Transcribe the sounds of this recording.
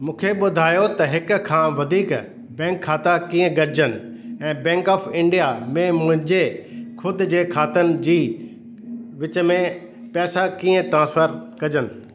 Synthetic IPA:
mũːkʰeɓʊd̪ʱaːjot̪ɐɦɪkkʰːãːʋɐd̪ʱiːk | bɛ̃ːŋkʰːaːt̪akĩːə̃ɡɐɾɪd͡ʑənɪ̆ | ɛ̃ːbɛ̃ːŋkɔːfɪ̃ɳɖijamẽmʊ̃ɦɪ̃ɲd͡ʑekʰʊd̪̆d͡ʑeːkʰaːt̪ənɪ̆d͡ʑiː | ʋɪt͡ɕəmẽ | pɛːsakĩːə̃ʈɾãːspʰəɾkɐd͡ʑənɪ̆

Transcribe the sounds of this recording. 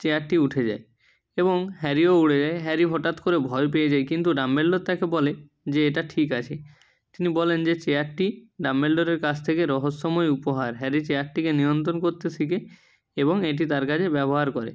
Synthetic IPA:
t͡ɕeaʈʈiuʈʰed͡ʑa̰e | eboŋɦɛɾiouɽed͡ʑaeɦɛɾiɦɔʈat̪koɾebʱɔep̬eed͡ʑaekint̪uɖambelɖoɾt̪akebɔle | d͡ʑeeʈaʈʰikat͡ɕʰe | t̪inibɔlend͡ʑet͡ɕeaɾʈːiɖambelɖoɾeɾkad͡ʑʰt̪ʰekeɾɔɦosːɔmɔeupoɦaɾɦɛɾit͡ɕeaʈʈːikenijont̪̬ɾonkoɾt̪et̪ʰike | eboŋeʈ̬it̪aɾkat͡ɕʰebɛboɦaɾkɔɾḛ

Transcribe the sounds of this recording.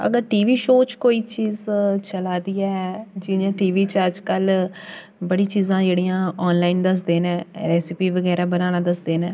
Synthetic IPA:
ə̰ɡəɾʈiːʋiːʃoːt͡ʃkoːiːt͡ʃiːzt͡ʃəlaːd̪iːaːɛd͡ʒɪãːʈiːʋiːt͡ʃəd͡ʒkəl | bəɽiːt͡ʃiːzãːd͡ʒeːɽiːãːɔːnlaːind̪əs̬d̪eːnɛ̃ːɾɛːsɪpiːʋəɡɛːɾaːbənaːnaːd̪əsd̪eːnɛː

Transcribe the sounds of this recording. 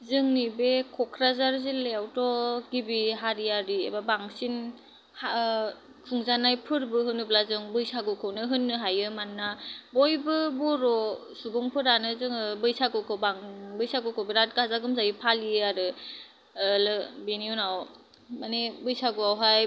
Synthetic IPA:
zɯŋnibekʰɔkʰɾazaɾzileawtɔɡibiɦaɾiaɾiḛbabaŋsin | ha | kʰuŋzanajpʰɯɾbɯɦɯnːɯblazɯŋbɯjsaɡɯkʰɯwnɯɦɯnːɯɦajɯmanːabɔjbɯbɔɾɔsubɔŋpʰɯɾanɯzɯŋɯbɯjsaɡɯwkʰɯwbaŋbɯjsaɡɯkʰɯwbeɾat̚ɡazaɡɯmzajipʰaliaɾɯ | lɯbeniunaw | manebɯjsaɡuawɦaj

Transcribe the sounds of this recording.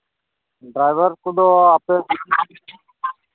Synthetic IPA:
ɖɾajʋəɾkud̪ɔape

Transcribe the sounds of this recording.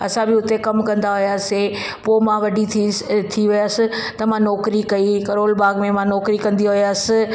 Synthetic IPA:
ɐ̰sãbɪʊt̪ekɐmkɐ̃nd̪aɦʊjaːse | poːmãʋɐɖʱit̪ʰiʋɪjaːsɪ̆t̪ɐmãnɔːkɾikɐikɐɾoːlbaːɡmẽmãnɔːkɾikɐ̃nd̪iɦʊjaːsɪ̆

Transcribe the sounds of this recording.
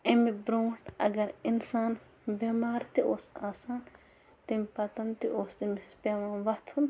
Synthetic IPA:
ɪmibɾoːʈɐ̰ɡɐɾinsaːn | bɐmaːɾt̪iosaːsaːn | t̪impɐt̪ɐnt̪iʔoːsimisbɐmaːnʋɐt̪ʰun

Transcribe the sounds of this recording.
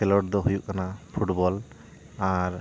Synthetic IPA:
ɛlɔʈd̪ɔɦujuʔkːanapʰuʈbɔl | aɹ

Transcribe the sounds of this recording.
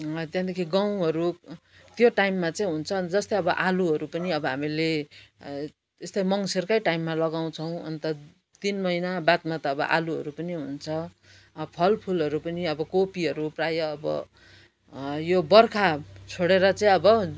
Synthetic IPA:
t̪jãd̪ekʰiɡaw̃ɦʌɾu | t̪joʈajmːat͡saĩɦunt͡sʰʌd͡zʌst̪ʌjʌbʌʔaluɦʌɾupʌniʌbʌɦamile | est̪ʌjmʌŋserkʌjʈajimːalʌɡaw̃t͡sʰʌw̃ʌ̰nt̪ʌ | t̪inmʌinabat̪mat̪ʌːbʌ̰ʔa̰luɦʌ̰ɾupʌniɦunt͡sʰʌ | pʰʌlpʰulʌɾupʌniʌbʌkopiɦʌɾuprajʌːbʌ̰ | jobʌrkʰat͡sʰoɽeɾʌt͡saĩʌbʌ

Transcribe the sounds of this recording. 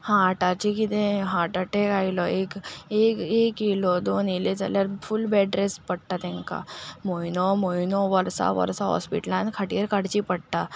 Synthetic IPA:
hãʈat͡ʃikid̪ẽɦãːʈɐʈekaːilɔeːkeːkeːkilɔd̪oːnilet͡ʃɐ̰ləɾfʰʊlbɛːɖɾespɐɽt̪at̪ẽŋka̰moinomoinoʋɐɾsa̰ʋɐ̰ɾsaɦɔ̰spḭʈlãnkʰɐʈijəɾkɐɽt͡ʃipɐɽt̪a

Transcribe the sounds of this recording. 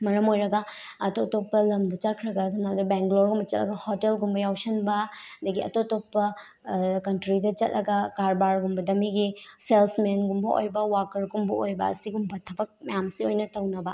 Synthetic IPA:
mɐɾɐmojɾɐɡɐ | ɐtotopːɐlɐmdɐt͡ʃɐt̚kʰɾɐɡɐsimaldɐbeŋɡloɾɡumbɐt͡ʃɐt̚lɐ̰ɡɐhotelɡumbɐjawsɐnbɐdɐɡiɐ̰totopːɐ | kɐntɾidɐt͡ʃɐt̚lɐɡɐkaɾbaɾɡumbɐdɐmiɡiselsmenɡumbɐʔo̰jbɐwakɐɾɡumbɐojbɐ̰ɐ̰siɡumbɐtʰɐbɐk̚mɐjamsiojnɐtɐwnɐbɐ

